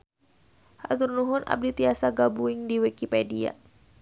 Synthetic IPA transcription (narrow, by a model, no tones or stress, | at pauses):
hazurnuɦʊna̰b̚dit̪iasaɡabuɪŋdiwikipɛdia̰